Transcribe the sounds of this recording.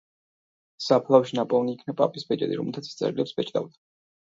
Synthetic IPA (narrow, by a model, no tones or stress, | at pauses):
sapʰlˠawʃinapʼɔvniːkʰnapʼa̰pʼisbɛd͡ʒɛ̰d̪ḭɾɔmɛlˠt̪ʰat̪sʰst̪sʼɛ̰ɾilɛpsbɛt͡ʃʰd̪ʼa̰vd̪ʰ